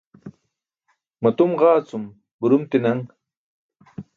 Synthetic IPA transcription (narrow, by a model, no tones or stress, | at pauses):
mɐt̪umʁɑːt͡sum | buɾumt̪inɐŋ